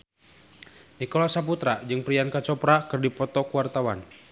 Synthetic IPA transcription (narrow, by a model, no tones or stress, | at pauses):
nikɔlasap̬ut̪ɾad͡ʒɨŋpɾiankat͡ʃɔpɾakɨrdipɔt̪ɔkuwart̪awa̰n